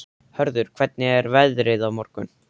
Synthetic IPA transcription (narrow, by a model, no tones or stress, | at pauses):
hœɾðʏɾ̥kʰv̥ɛt̪̚nɪɛɾvɛðɾɪðawmɔɾ̥kʏ̰n